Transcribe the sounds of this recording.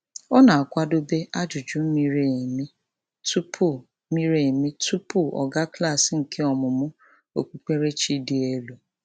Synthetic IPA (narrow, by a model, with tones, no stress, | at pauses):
ɔ˦na˨a˨kʷa˦do˦be˦ʔa˦d͡ʒu˨d͡ʒu˨˦m̩˦mi˦ɾe˦˨mi˦ | tu˦pʰu˦˨˦ | mi˦ɾe˦˨mi˦tu˦pu˦˨ʔɔ̰˨ɡa˦kla˦˨sɪ˨ŋ̩˨kʰe˦ɔ˨mʊ˨mʊ˦ | o˨k͡pu˨k͡pe˦ɾe˦t͡ʃi˦di˨e˦lu˨